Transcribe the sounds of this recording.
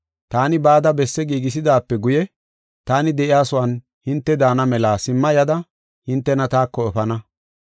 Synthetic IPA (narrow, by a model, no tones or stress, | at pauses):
t̪aːnɪbaːd̪ɐbɛsːɛɡiːɡɪs̬ɪd̪aːpːɛɡʊjɛ | t̪aːnɪd̪ɛʔɪjaːsʊwan | hɪnt̪ːɛd̪aːnɐmɛlaːsɪmːɐjɐd̪ɐ | hɪnt̪ːɛnɐt̪aːkːɔɛfɐnɐ